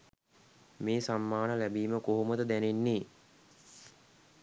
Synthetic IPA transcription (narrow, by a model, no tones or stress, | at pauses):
meːsamːaːnəlæbiːməkoɦumət̪əd̪ænenːiː